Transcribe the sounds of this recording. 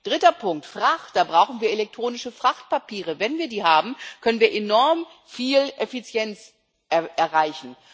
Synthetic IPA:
d̥ʁɪtɐpʰʊŋk̚tfʁ̥aχt̚d̥aːbʁaʊxχn̩viːɐelɛk̚tʁ̥oːnɪʃəfʁ̥aχt̚papiːʁəvɛnviːɐdiːɦaːbm̩kʰœnənviːɐʔenɔɐm | fiːlʔefit͡sjɛnt͡s | ʔɛʔɛɐʁaɪçn̩

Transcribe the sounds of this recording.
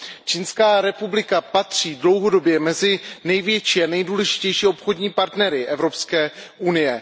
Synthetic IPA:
t͡ʃinskaːɾɛpublɪkapat̪r̝̥iːdlo̞wɦo̞do̞bjɛmɛzɪnɛjvjɛt͡ʃiːanɛjduːlɛʒɪ̥cɛjʃiːopxo̞dɲiːpaɾt̪nɛɾɪʔɛvɾo̞pskɛːʔunɪjɛ

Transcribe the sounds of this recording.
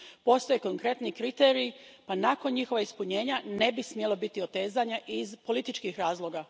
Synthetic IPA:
po̞st̪o̞jekoŋkɾe̞t̪nikɾit̪e̞ːɾiipanako̞nɲixo̞ʋaispuɲe̞ːɲane̞bismje̞lo̞bit̪io̞t̪e̞ːzaɲaʔizpo̞lit̪it͡ʃkixɾaːzlˠo̞ːɡa

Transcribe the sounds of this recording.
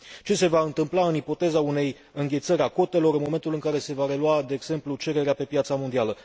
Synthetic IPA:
t͡ʃe̞se̞vaɨnt̪ɨmplaɨnipo̞t̪e̞zaune̞j | ɨŋɡʲe̞t̪səɾʲako̞t̪e̞lo̞ɾɨnmo̞me̞nt̪ulɨŋkaɾe̞se̞vaɾe̞luad̪e̞ːɡz̥e̞mplut͡ʃe̞ɾe̞ɾeape̞pjat̪samo̞nd̪ialə

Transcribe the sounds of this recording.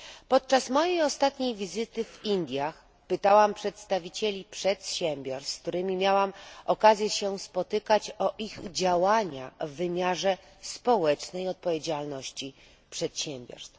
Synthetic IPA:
pɔt̪̚t͡ʂasmɔjejɔst̪at̪ɲejvʲizɘt̪ɘvind̪ʲjax | pɘt̪awampʂɛt̪st̪avʲit͡ɕelʲipʂɛt̪ɕɛmʲbʲjɔɾst̪k̚t̪uɾɘmʲimʲjawamɔkazʲjɛɕɛspɔt̪ɘkat͡ɕɔʔiɣd͡ʑawaɲa̰vːɘmʲjaʐɛ | spɔwɛt͡ʂnɛjɔt̪̚pɔvʲjed͡ʑalnɔɕt͡ɕi | pʂɛt̪ɕɛmbʲjɔ̰ɾst̪

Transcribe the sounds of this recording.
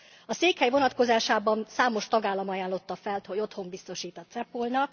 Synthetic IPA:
ɒseːkhɛjvo̞nɒt̪ko̞zaːʃaːbɒnsaːmo̞ʃt̪ɒɡaːlːɒmɒjaːnlo̞t̪ːɒfɛlt̪ho̞ɟo̞t̪ho̞mbist̪o̞ʃiːt̪ɒt̪sɛpːolnɒk

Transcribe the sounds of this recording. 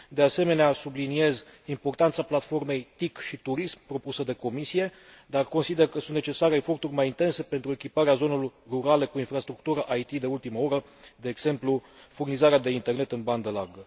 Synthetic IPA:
d̪e̞ase̞me̞neasublinie̞zimpo̞rt̪ant̪saplat̪fo̞rme̞jt̪ikʃit̪uɾismpɾo̞pusəd̪e̞ko̞misije̞d̪arko̞nsid̪e̞rkəsunt̪net͡ʃe̞saɾeːfo̞rt̪urʲmajint̪e̞nse̞pe̞nt̪ɾue̞kʲipaɾeazo̞ne̞loɾruɾale̞kuinfɾast̪ɾuk̚t̪uɾəʔajt̪id̪e̞ult̪imao̞ɾə | d̪eːɡz̥e̞mplufurnizaɾead̪e̞int̪e̞rne̞t̪ɨnband̪əlarɡə

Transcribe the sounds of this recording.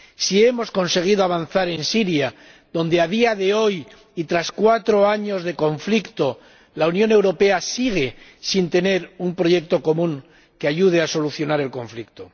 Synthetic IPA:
sie̞mo̞skonse̞ɣ̞iðoaβanθaɾe̞nsiɾja | ðo̞nd̪eað̞iaðe̞o̞j | it̪ɾaskwat̪ɾo̞aɲo̞zðe̞ko̞ɱflikt̪o̞ | launjõ̞ne̞wɾo̞pe̞asiɣ̞e̞sint̪e̞ne̞ɾumpɾo̞ʝe̞k̚t̪o̞ko̞mũŋ | keaʝuð̞easo̞luθjo̞naɾe̞lko̞ɱflikt̪o

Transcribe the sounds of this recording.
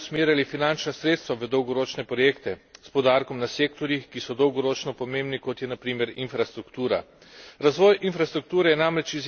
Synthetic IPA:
smeːɾjalifinant͡ʃnasɾeːt̪st̪ʋaʋəd̪ɔwɡɔɾoːt͡ʃnɛpɾɔjeːkt̪ɛspɔd̪aɾkɔmnaseːkt̪ɔɾjixkisɔd̪ɔwɡɔɾoːt͡ʃnɔpɔmeːmbnikɔt̪jɛnapɾiːmɛɾinfɾast̪ɾukt̪uːɾa̰ | ɾazʋɔːjinfɾast̪ɾuk̚t̪uːɾɛjɛnamɾɛt͡ʃiz

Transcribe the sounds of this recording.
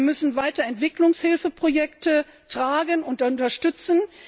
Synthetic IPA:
mʏsn̩vaɪtɐɛntv̥ɪklʊŋshɪlfəpʁ̥ojɛktə | tʁ̥aːɡənʊnt̚d̥aʊntɐʃtʏt͡sn̩

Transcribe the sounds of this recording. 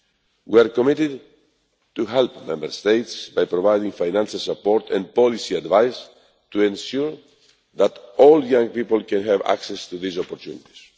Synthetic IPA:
wiaɾkɔmit̪ɪd̪ | t̪uɦɛlpmɛ̃mbəɾst̪ejt̪sbajpɾovajd̪ĩŋfajnãnʃalsapɔɾt̪ʰɛ̰̃npɔlisiad̪vajs | t̪uẽnʃuɹ | ðat̪ɔljãŋpipəlkɛ̃nɦæva̰ksɛst̪uðisɔpɔɾt̪jṵnit̪i̥s

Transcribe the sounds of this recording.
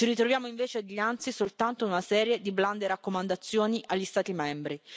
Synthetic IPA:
t͡ʃiɾit̪ɾovjaːmoiɱveːt͡ʃead̪ʎːant̪sisolt̪ant̪ounasɛːɾjed̪ibland̪eɾakːomand̪at̪sːjoːniʔaʎːist̪aːt̪imɛmbɾi

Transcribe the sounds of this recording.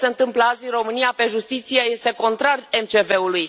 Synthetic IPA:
seɨnt̪ɨmpləaziro̞mɨnijape̞ʒust̪it̪sijeje̞st̪e̞ko̞nt̪ɾare̞mt͡ʃe̞ve̞uluj

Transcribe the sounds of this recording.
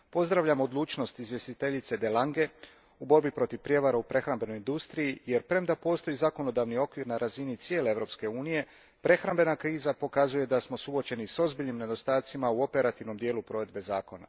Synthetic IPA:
po̞zd̪ɾaʋʎamo̞d̪lˠuːt͡ʃno̞st̪izʋje̞st̪it̪e̞ʎit̪se̞d̪elˠaŋɡe̞ | ubo̞ɾbipɾo̞t̪iʋpɾje̞ʋaɾaupɾe̞xɾambe̞no̞jind̪ust̪ɾijije̞ɾpɾe̞md̪apo̞ːst̪o̞izako̞no̞d̪aʋnio̞kʋiɾnaɾʔazinit̪sje̞leeʋɾo̞pske̞uːnije̞ | pɾe̞xɾambe̞nakɾiːzapo̞kazuje̞d̪asmo̞suot͡ʃe̞niso̞zbiʎnimne̞d̪o̞st̪aːt̪simauo̞pe̞ɾat̪iʋno̞md̪je̞ːlˠupɾo̞ʋe̞d̪̚be̞zaːko̞na̰

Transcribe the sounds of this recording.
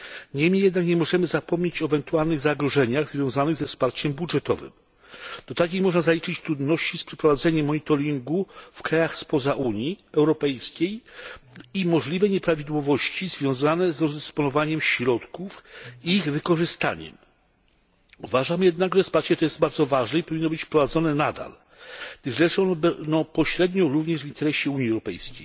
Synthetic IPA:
ɲɛmʲijɛd̪nakɲɛmɔʐɛmɘzapɔmɲet͡ɕɔɛvɛnt̪ualnɘɣzaɡɾɔʐɛɲaɣzvʲjɔ̃w̃zanɘɣzɛfspaɾt͡ɕɛmbudʐɛt̪ɔ̰vɘ̰m | d̪̥ɔt̪ak̬ʲejmɔʐnazalʲit͡ʂɘt͡ɕt̪ɾud̪nɔɕt͡ɕispʂɛpɾɔvad̪zɛɲɛmːɔɲit̪ɔɾʲiŋɡufkɾajaxspɔzaʔuɲiɛwɾɔpɛjskʲej | imɔʐlʲivɛɲɛpɾavʲid̪wɔvɔɕt͡ɕizvʲjɔ̃w̃zanɛzɾɔzd̪ɛspɔnɔvaɲɛmɕɾɔt̪kufiiɣvɘkɔʐɘst̪a̰ɲɛ̰m | uvaʐamjɛd̪naɡʐɛspaɾt͡ɕɛt̪ɔjɛzd̪baɾzɔvaʐnɛipɔvʲinːɔbɘt͡ɕfpɾɔvad̪zɔnɛnad̪a̰l | ʒlɛʂɔnɛbɛd̪ɔ̃w̃pɔɕɾɛd̪ɲɔ̃ɾuvɲɛʐvʲint̪ɛɾɛɕɛuɲiɛwɾɔpɛ̰jskʲḛj

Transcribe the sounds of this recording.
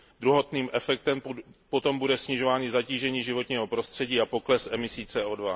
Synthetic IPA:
d̪ɾuɦo̞t̪niːmʔɛfɛk̚t̪ɛmpot̪o̞mbudɛsɲɪʒo̞vaːɲɪzaciːʒɛɲiːʒɪvo̞t̪ɲiːɦo̞pɾo̞st̪r̝̥ɛɟiːapo̞klɛsʔɛmɪsiːt͡sɛːʔoːdva

